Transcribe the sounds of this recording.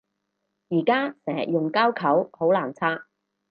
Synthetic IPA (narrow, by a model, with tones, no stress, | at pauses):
jiː˨˩kaː˥sɛː˨˩jʊ˨ŋkaː˥wkʰɐ˨˥who˨˥wlaː˨˩nt͡sʰaː˥